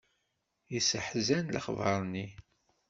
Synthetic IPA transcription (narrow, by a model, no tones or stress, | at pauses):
jəsəħzænlə̰χvˤɑ̰ɾˤni